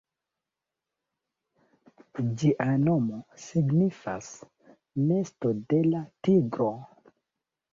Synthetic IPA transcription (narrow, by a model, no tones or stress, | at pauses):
d͡ʒiʔano̞mosiɡnifa̰s | mestode̞latiɡɾo̞